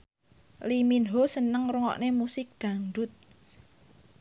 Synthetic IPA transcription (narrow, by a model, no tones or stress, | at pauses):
liminɦosənəŋɾuŋɔ̰ʔnemusɪk̚d̪̥aŋɖʊt̪̚